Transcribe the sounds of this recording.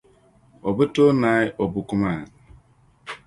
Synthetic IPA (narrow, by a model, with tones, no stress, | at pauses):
o˨bu˦to˦na˨˦jo˨bu˨ku˦ma˦˨